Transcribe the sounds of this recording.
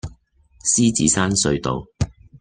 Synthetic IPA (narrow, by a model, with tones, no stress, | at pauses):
siː˥t͡sḭː˨˧saː˥nsɵ˧ɥt̪o̰˨w